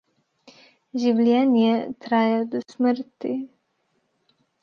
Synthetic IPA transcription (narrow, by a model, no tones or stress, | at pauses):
ʒiwlʲjɛnijɛt̪ɾajɛd̪ɔsməɾt̪ḭ